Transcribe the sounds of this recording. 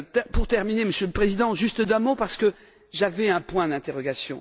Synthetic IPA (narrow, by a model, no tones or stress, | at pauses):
t̪ɛpuʁt̪ɛʁmineməsjøləpχezid̪ɑ̃ʒyst̪d̪ɛ̃mopaʁsə̥kə | ʒavɛɛ̃pwɛ̃d̪ɛ̃t̪eʁɔɡasjɔ̰̃